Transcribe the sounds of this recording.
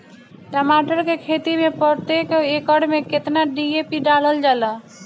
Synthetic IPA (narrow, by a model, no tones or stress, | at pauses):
ʈamaʈəɾkekʰet̪imẽpəɽt̪ekoekəɽmẽket̪naɖiepiɖaləld͡ʒala